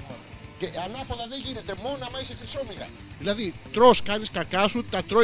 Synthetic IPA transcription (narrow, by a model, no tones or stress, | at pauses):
ceʔɐnɐpoðɐðe̞ʝine̞t̪e̞mo̞nɐmɐisest̪iso̞miɣɐ̰ | ðilɐðit̪ɾo̞skɐniskɐkɐsut̪ɐt̪ɾo